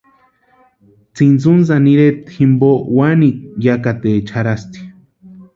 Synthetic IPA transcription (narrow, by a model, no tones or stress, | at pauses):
t͡sint͡suns̬aniɾet̪ximbowanik̚jakat̪et͡ʃʰaɾast̪i̥